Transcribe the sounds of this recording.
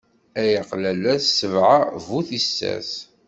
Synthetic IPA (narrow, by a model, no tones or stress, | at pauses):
æjəqlælæθsəvʕavuθisːæ̰s